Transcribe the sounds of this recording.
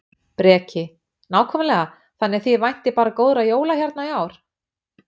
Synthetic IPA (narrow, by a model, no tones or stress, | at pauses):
pɾɛːcʰɪ | naːwkʰɔmɪnlɛɣa | θanːɛɾ̥θivajn̥t̪ɪpaːɾakoːwðɾajoːwlaçaɾt̪naiaːwɾ̥